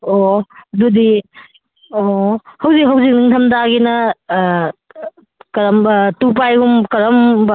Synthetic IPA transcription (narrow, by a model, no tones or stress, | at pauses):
odudi | ohɐwzik̚ɦɐwzik̚niŋtʰɐmdaɡinɐ | kɐɾɐmtup̬ajɡumkɐɾɐm